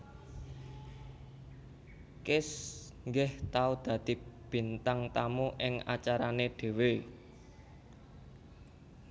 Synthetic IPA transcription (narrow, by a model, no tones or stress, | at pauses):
kɪs | ŋɡɪht̪aud̪̥ä̤d̪̥i̤b̥i̤nt̪aŋt̪amuʔɪŋa̰t͡ʃaɾaneɖ̪̥e̤we